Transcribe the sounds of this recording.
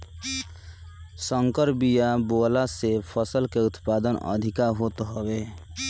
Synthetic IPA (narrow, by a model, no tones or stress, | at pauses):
sə̃ŋkəɾbijaboːlasepʰəsəlkeʊt̪paːd̪ənə̰d̪ʱɪkaɦot̪ɦɔwe